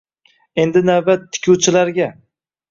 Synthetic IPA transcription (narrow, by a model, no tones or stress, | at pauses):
e̞nd̪ɪnawbat̪ʰːɪ̥kʲʰuwt͡ʃʰɪlaɾɡʲa